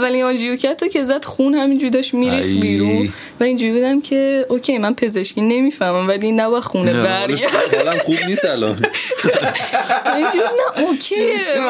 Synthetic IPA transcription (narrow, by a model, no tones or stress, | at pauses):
vːælinɒnd͡ʒijocʰæt̪ʰocʰe̞zæd̪̥xunhæmind͡ʒuɾid̪ɒʃmiɾifbiːɾũn | væind͡ʒuɾibuːd̪æmcʰe̞ʔocʲʰejmænpʰe̞ze̞ʃciːne̞miːfæhmæmvælinæbɒjæ̥xunebæɾæɒlæmχub̚niːst̪ælɒ̰n | ind͡ʒuɾbud̪næʔocʰe